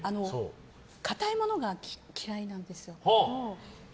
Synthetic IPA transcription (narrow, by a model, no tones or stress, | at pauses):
ano̞so | kʰat̪aimo̞no̞ɡakʲʰiɾainãnd̪e̞sɨjo̞hoo